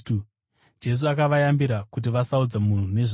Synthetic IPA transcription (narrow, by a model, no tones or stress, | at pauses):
tu | d͡ʒe̞s̬uakaʋajambiɾakut̬iʋasaud͡zamun̤une̞ʐ